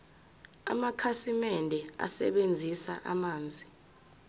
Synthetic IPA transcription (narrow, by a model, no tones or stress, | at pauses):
a̰makʰasimɛndʱɛa̰sɛ̰ɓend͡zʱisa̰ʔamaːnd͡zʱi